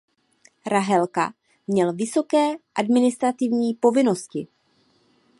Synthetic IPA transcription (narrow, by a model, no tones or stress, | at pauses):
ɾaɦɛlka̰ | mɲɛlvɪso̞kɛːʔadmɪnɪst̪ɾat̪ɪvɲiːpo̞vɪno̞scɪ